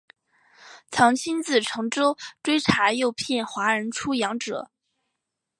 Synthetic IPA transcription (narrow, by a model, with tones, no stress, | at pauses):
t͡sʰɑ˧˥ŋt͡ɕʰi˥nt͡sɹ̩˥˩ʈ͡ʂʰɤ˧˥ŋʈ͡ʂo˥ʊʈ͡ʂwe˥ɪʈ͡ʂʰa˧˥jo˥˧ʊpʰjɛ˥˩nxwa˧˥ɻə˧˥nʈ͡ʂʰu˥jɑ˧˥ŋʈ͡ʂɤ̰˨˩˦